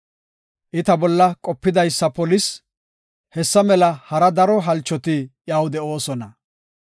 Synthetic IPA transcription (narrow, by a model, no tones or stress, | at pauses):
ʔɪt̪ɐbɔlːɐkʼɔpːɪd̪ɐjsːɐpɔlɪs | hɛsːɐmɛlɐhɐɾɐd̪ɐɾɔɦɐlt͡ʃːɔt̪ɪjɐwd̪ɛo̞ːsɔnɐ